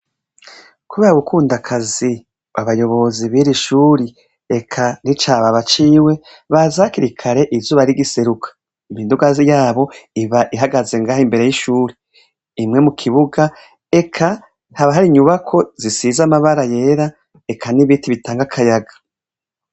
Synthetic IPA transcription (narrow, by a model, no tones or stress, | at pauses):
kuβeɾaɡukʰuːndakʰazi | βa̰βajo̞βo̞ziβiɾiʃuːɾi | ekʰanit͡ʃaːβaβat͡ʃiːwe̞ | βazakiɾikʰaɾe̞ʔizuːβaɾiɡise̞ɾukʰḁ | imiːnduɡazijaːβo̞iβaʔiɦaɡaze̞ŋɡaːɦimbe̞ɾe̞jiʃuːɾiː | mŋe̞mukʰiβuɡa | e̞kʰa | haβaɦaɾiɲuβakʰo̞zisizamaβaɾaje̞ːɾa | ekʰaniβitiβitaːŋɡakʰajaɡḁ